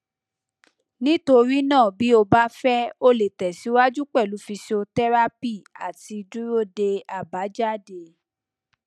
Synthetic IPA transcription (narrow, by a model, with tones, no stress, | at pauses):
nĩ˦to˧ɾi˦nãː˦˨bi˨˦o˧ba˦fɛ˦o˦le˨tɛ˨si˨˦wa˦d͡ʒu˦k͡pɛ˦˨lu˨˦fi˧so˧tɛ˦ɾa˦pi˦˨a̰˨ti˧du˦ɾo˦˨de˧a˨ba˨˦d͡ʒa˦˨de˧˨